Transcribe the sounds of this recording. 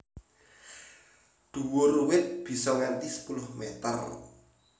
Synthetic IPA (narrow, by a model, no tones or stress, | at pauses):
d̪̥uwʊruwɪt̪̚b̥i̤sɔŋant̪isə̥pulʊhmet̪ə̰r